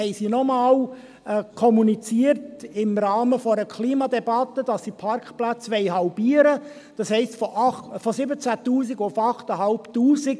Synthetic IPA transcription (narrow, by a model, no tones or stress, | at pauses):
hɛɪsiːnɔmɑːl | kʰɔmunit͡siəɾtɪmɾɑːməfɔɾəkʰliːmɑdɛbɑt̪ːəd̥ɑsːiːpʰɑɾkχplæt͡sʋɛɪɦɑlbiəɾə | d̥ɑshɛɪstfɔʔɑfɔsɪbət͡sætuːsiɡʊfɑχtəɦɑlptuːziɡ